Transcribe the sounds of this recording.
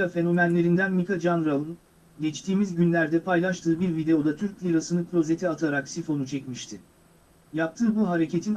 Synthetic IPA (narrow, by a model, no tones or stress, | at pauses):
afe̞no̞mænlʲe̞ɾind̪ænmikad͡ʒanɾalˠɯn | ɟɛt͡ʃt̪ʰiːmizɟynlʲæɾd̪ɛpʰajlˠaʃt̪ʰɯːbiɾvid̪e̞o̞d̪at̪ʰyɾclʲiɾasɯnɯkʰɾʲˠo̞ze̞t̪ʰiat̪ʰaɾaksifo̞nut͡ʃʰɛcmiʃt̪ʰɪ | jap̚t̪ʰɯːbuɦaɾe̞cʰe̞t̪ʰin